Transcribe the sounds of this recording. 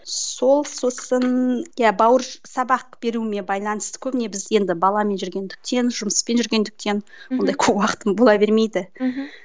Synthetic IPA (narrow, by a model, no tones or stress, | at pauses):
so̞lˠso̞sənjabɑwəɾsɑbɑq̚b̥e̞ɾuɪme̞bɑjlˠɑnəst̪ə̥kʲʰɵbɪne̞bɪze̞nd̪ɪbɑlˠɑme̞nʒʏɾɡʲe̞nd̪ɪk̚t̪e̞nʒʊməspe̞nʒʏɾɡʲe̞nd̪ɪk̚t̪e̞nwo̞nd̪ɑjkʲʰɵpwɑqə̥t̪əmbolˠɑbe̞ɾme̞jd̪ɪ